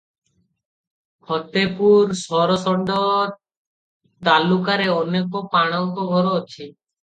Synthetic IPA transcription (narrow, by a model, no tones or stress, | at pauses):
hɔt̪epuɾsɔɾɔsɔɳɖɔ | d̪alukaɾeɔnekɔpaɽ̃ɔŋkɔɡʱɔɾoːt͡ʃʰi